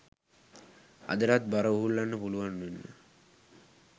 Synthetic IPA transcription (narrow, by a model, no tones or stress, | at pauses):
a̰d̪əɾat̪̚baɾəuɦulːanːəpuluʋanːuinːə̰